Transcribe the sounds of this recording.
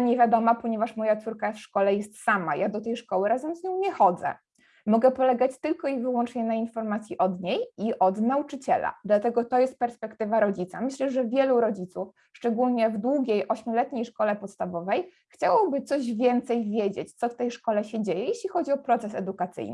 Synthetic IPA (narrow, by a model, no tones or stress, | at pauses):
ɲevʲjad̪ɔmapɔɲɛvaʂmɔjat̪suɾkafʂkɔlɛjɛst̪sama̰jad̪ɔt̪ɛjʂkɔwɘɾazɛmzɲɔw̃ɲɛxɔd̪zɛ̰ | mɔɡɛpɔlɛɡat͡ɕt̪ɘlkɔivɘwɔnt͡ʂɲɛnainfɔɾmat̪sʲjiʔɔd̪ɲejiʔɔd̪naut͡ʂɘt͡ɕɛ̰la̰d̪lat̪ɛɡɔt̪ɔjɛst̪̚pɛɾspɛkt̪ɘvaɾɔd͡ʑit̪samɘɕlɛʐɛvʲjɛluɾɔd͡ʑit̪suf | ʂt͡ʂɛɡulɲɛvd̪wuɡʲejʔɔɕmʲjɔlɛt̪ɲejʂkɔlɛpɔt̪st̪avɔvɛj | xt͡ɕawɔbɘt̪sɔʑvʲjɛnt̪sɛjvʲjed͡ʑet͡ɕt̪sɔft̪ɛjʂkɔlɛɕɛd͡ʑejɛjeɕlʲixɔd͡ʑiɔpɾɔt̪sɛs̬ɛd̪ukat̪sɘ̰jn